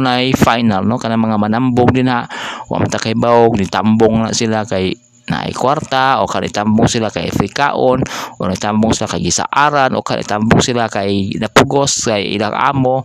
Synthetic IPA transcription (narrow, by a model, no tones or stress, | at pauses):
naifajnalnɔkanamaŋamanambɔŋdinɦaʔwʔa̰mt̪akaibaɔk̚nit̪ambɔŋla̰ʔsilakai | na̰ḭkuart̪aɔ̰kanit̪ambɔŋsilakaḭa̰fɾika̰ʔɔnɔnait̪ambɔŋsilakaiɡisa̰ʔaɾanɔ̰kanʔḭt̪ambɔŋsilakainapɔɡɔskaḭḭlaa̰mɔ